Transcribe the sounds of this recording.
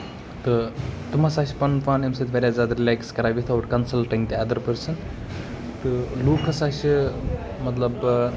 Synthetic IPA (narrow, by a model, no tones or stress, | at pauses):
t̪ɨt̪umɐsaːʃi̥pɐnfaːnemsɐt̪ʋɐɾʲjaːzʲjaːd̪aɾilʲaːkskɐɾaːʋit̪ʰɐʋʈkɐnsɐlʈɐŋɡt̪iɐd̪ɐɾpəɾsɐn | t̪ɨluːkʰɐsaːʃi | mɐt̪lɐb